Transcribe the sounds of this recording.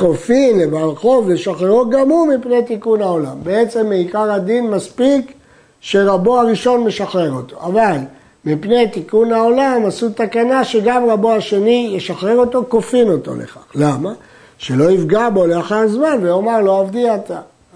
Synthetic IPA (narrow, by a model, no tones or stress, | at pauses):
ko̞finlebalχo̞vleʃaχeʁuɡamumipnet̪ikunao̞lambeet͡se̞mːeikaʁad̪inmaspik | ʃe̞ʁaboaʁiʃo̞nme̞ʃaχʁe̞ʁo̞t̪o̞̰ʔaval | mipnet̪ikunhao̞lamasut̪akanaʃe̞ɡamʁaboaʃe̞nijeʃaχʁe̞ʁo̞t̪o̞ko̞fino̞t̪o̞̰lʔḛχaχlama | ʃe̞lo̞ifɡabo̞leaχaʁzmanveomaʁlo̞avd̪iat̪a